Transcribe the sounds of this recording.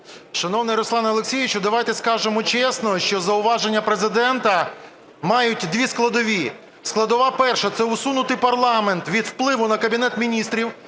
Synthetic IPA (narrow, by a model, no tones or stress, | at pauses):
ʃɐnɔwnɪjɾɔslˠɑnɐlˠeksʲijʋʲɪt͡ʃʊd̪ɐʋajt̪ɛskɑʒemɔt͡ʃɛsnɔʃt͡ʃɔzɐʊʋɑʒenʲːɐpɾezɪd̪ɛnt̪ɐ | mɑjʊtʲd̪ʋʲisklˠɐd̪ɔʋʲi | sklˠɐd̪ɔʋɑpɛrʃɛt̪sɛʊsunʊt̪ɪjpɐrlˠɑment̪ʋʲid̪wplˠɪʋʊnɐkɐbʲinɛt̪mʲinʲist̪ɾʲiw